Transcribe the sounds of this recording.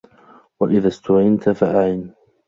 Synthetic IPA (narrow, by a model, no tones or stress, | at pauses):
waʔɪðast̪ʊʕɪnt̪afaʔaʕɪn